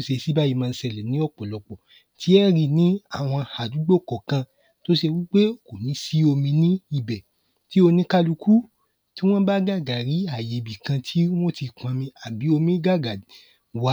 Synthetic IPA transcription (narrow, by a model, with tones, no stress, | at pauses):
ʃe˧si˦ba˦ji˧mã˧n̩˧sɛ˧˨lɛ˨nĩ˨˦ɔ˦˨k͡pɔ˨lɔ˧k͡pɔ˨ | tʰi˨˦ɛ˦ɾi˧nĩ˦a˦˨w̃ɔ̃˧ha˨du˨˦ɡ͡bo˦˨kɔ˨kã˧ | to˦ʃe˧wi˦k͡pe˦o˨ko˨nĩ˨˦si˦o˧mĩ˧nĩ˦i˧˨bɛ˨ | ti˦o˧nĩ˧˦ka˦lu˧ku˦ | ti˦w̃ɔ̃˦ba˦ɡa˦˨ɡa˨ɾi˨˦a˨je˨bi˨kã˧tʰi˨˦w̃o˦ti˧k͡pã˨˧mĩ˧a˨bi˨˦o˧mĩ˦ɡa˦˨ɡa˨ | wa˧˦